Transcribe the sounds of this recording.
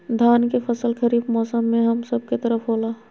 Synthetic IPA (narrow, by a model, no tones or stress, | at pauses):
d̪ʱaːnkepʰəsəlkʰəɾiːbmɔːsəmːẽɦɐmsəb̚ket̪əɾəpʰɦoːlaː